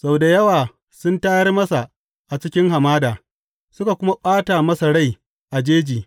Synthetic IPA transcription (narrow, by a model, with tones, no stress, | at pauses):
sa˦wda˨jɐ˦waː˨ | sʊ˦ntaː˦jɐ˦rmɐ˦sa˨ | ʔa˨t͡ʃɪ˦kʲɪ˦ŋɦa˨maː˦daː˨ | sʊ˦ka˨kʷʊ˦ma˦ɓaː˦ta˨mɐ˦sa˨ɽa˦j | ʔa˨d͡ʒeː˦d͡ʒiː˨